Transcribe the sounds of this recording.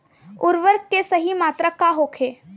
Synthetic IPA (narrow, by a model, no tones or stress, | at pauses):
ʊɾʋəɾkːesɐɦimaːt̪ɾəkaɦoːkʰeː